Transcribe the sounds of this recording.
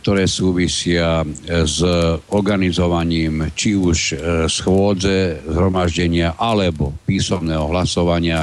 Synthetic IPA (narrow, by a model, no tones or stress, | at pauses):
k̚t̪ɔɾɛːsuːʋisɪazɔɾɡanizɔʋaɲiːmt͡ʃiuʃsxʋʊɔd͡zɛzɦɾɔmaʒɟɛɲɪaʔalɛbɔpiːsɔmnɛːɦɔɦlasɔʋaɲɪa